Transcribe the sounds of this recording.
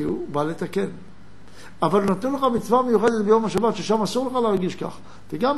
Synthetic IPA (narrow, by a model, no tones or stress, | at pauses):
ubale̞t̪aken | avalnat̪ɛnleχamit͡svamejuχed̪et̪̚bejo̞maʃabat̪ʃeʃamasuʁleχaleaʁɡiʃka̰χ | teɡam